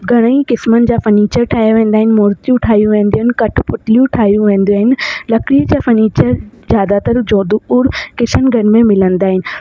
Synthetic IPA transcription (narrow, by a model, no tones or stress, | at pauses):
ɡʱɐɽ̃əikɪsmənɪ̆d͡ʑaːfɐniːt͡ɕəɾʈʰaːjaʋẽːn̆d̪aːɦɪnɪ̆mɔːɾt̪ijũʈʰaːɦijũʋẽːnd̪ioaːɦɪnɪ̆kɐʈʰpʊʈʰlijũʈʰaːɦijũʋẽːn̆d̪iaːɦɪnɪ̆lɐkɾiːəd͡ʑaːfɐniːt͡ɕəɾzjaːd̪at̪əɾd͡ʑoːd̪uʊːɾkɪsənɪ̆ɡʱɐn̆mẽmɪlə̃nd̪aːɦɪnɪ̆